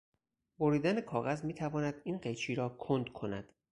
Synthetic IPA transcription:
boɾiːd̪æne̞kʰɒːɣæzmiːt̪ʰævɒːnæd̪iːnɢejt͡ʃʰiːɾɒːkʰond̪kʰo̞næ̰d̪̥

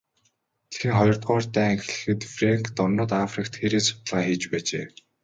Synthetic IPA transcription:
t̪ʰe̥ɾɘ̆ŋχɔjɞ̆rt̪ɢʊːrt̪æːŋx̆ɮɘ̆xɘ̆t̪fraŋkt̪ɔrnə̆ːt̪afrikt̪xeɾeːsʊ̥t̪ə̆ɮʁaːxiːt͡ɕpæːt͡ɕeː

